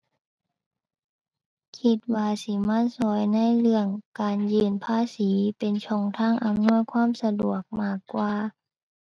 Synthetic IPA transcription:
kʰi˧t̪̚waː˧si˧˦ma˧˥˨nsɔː˨˩˦jna˧˥˨jlɯ˧˩əŋkaː˨njɯː˧npʰaː˧˥˨siː˨˦pe˨nt͡ɕʰɔ˧˩ŋt̪ʰaː˧˥˨ŋʔa˨mnu˧˥˨jkʰwaː˥˨msa˧du˨˩ək̚maː˧˥˩kːwaː˧

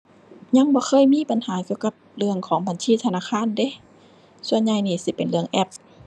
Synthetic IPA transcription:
ɲa˧˥˨ŋbɔː˧˦xʰɤː˧˥˨jmiː˧˥˨pa˨nhaː˨˦ki˧əwka˧˦p̚lɯ˧əŋkʰɔː˩˦ŋba˨˦nsiː˧˥˨t̪ʰa˧naː˧˨˩xʰaː˧˥˨nde˧˦ | su˧ənɲa˧jniː˧˩si˧˦pe˨nlɯ˧əŋʔɛ˧˩p̚

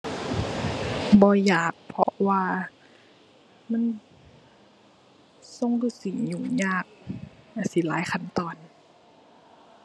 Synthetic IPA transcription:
bɔː˧˦jaː˨˩k̚pʰɔ̰˧waː˧ | ma˧˥˨n | so˧˨ŋduː˧˩˨si˨˩ŋɲuː˨˩ɲaː˧˥˩k̚na˧˩˨si˨˦laː˨˦jxʰa˧˨nt̪ɔː˨˩n

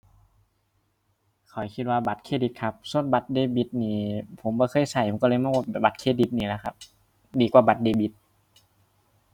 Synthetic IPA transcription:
kʰɔ˨˩˦jkʰi˧t̪̚waː˧ba˨˧˩t̪̚kʰeː˧˩di˧˦t̪̚kʰa˧p̚su˧˨ənba˧˦t̪̚deː˧˩bi˧˦t̪̚niː˧˩pʰo˨˩˦mbɔː˧˦xʰɤː˧˥˨jsa˧˩jʰo˨˩˦kɔ˧lɤː˧jm˧˥˨kwaː˧˩bɛː˨˩ba˨˦kʰeː˧˩di˧˦t̪̚niː˧˨la˧˦kʰa˧p̚ | diː˨˦kwaː˧ba˨˧˦t̪̚deː˧˩bi˧˦t̪̚

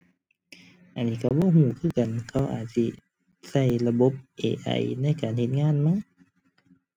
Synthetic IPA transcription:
ʔa˨nːiː˧˩ka˧˩bɔː˧˦˨huː˧˩kʰɯː˧˥˩ka˨nkʰa˧˥˩wʔa̰ː˨˩t̪̚si˧ | sa˧˥˩jla˧bo˧˦˥p̚ʔḛː˧˨ʔa̰˧˩jna˧˥˨jkaː˨nhe˧˦t̪̚ŋaː˧˥˨nma˧˥˨ŋ

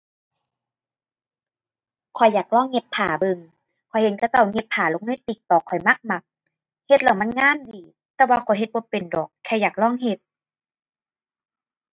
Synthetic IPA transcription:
kʰɔ˨˩jːaː˨˩k̚lɔː˧˥˨ŋːe˧pʰːaː˨˩˦bɤ˧ŋ | kʰɔ˨˩jhe˨˦nkʰa˧˩t͡ɕa˧˩wŋe˧˦pʰːaː˨˩lo˧˦ŋɤː˧˥˨t̪iː˨˩k̚t̪ɔː˨˩kʰɔ˨˩jma˧˥k̚ma˧k̚ | he˧t̪̚la˧˩wma˧˥˨nŋaː˧˥˨ndiː˨˦ | t̪ɛː˧˦waː˧kʰɔ˨˩jɦe˧t̪̚bɔː˧˦pe˨ndɔː˨˩kʰːɛ˧˩jaː˨˩k̚lɔː˥˨ŋɦe˧t̪̚

